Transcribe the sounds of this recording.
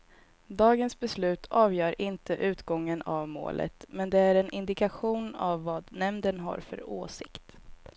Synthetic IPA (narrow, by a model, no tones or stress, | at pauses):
d̪ɑːɡənsbɛslʉ̟ːt̪ʰɑːvjœːɾʔɪnt̪ʰəʔʉ̟ːt̪ɡɔŋːənavmo̰ːlʔə̰t̪mɛnd̪ɛæɾɛnʔɪnd̪ɪkaɧuːna̰vːɑːd̪nɛmnd̪ənɦa̰ɾfœ̰ɾoːsɪkt̪